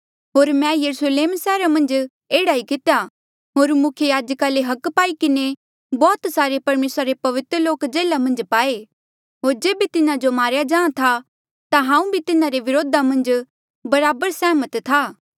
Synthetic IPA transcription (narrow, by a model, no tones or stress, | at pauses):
ɦoːɾmɛ̃jɐɾusleːmsɛːɾamɐ̃nd͡ʒ | eːɽaikɪt̪eja | ɦoːɾmʊkʰjəjaːd͡ʒəkaleɦɐkpaːikɪne | bɔːt̪saːɾepɐɾmeːsɾaɾepɐʋɪt̪ɾəloːkd͡ʒeːlamɐ̃nd͡ʒpaːe | ɦoːɾd͡ʒeːbʱit̪ɪnad͡ʒomaːɾjad͡ʒãːãt̪ʰa | t̪aɦãːũbʱit̪ɪnaɾeʋɪɾoːd̪ʱamɐ̃nd͡ʒ | bɐɾaːbəɾsɛːmət̪t̪ʰaː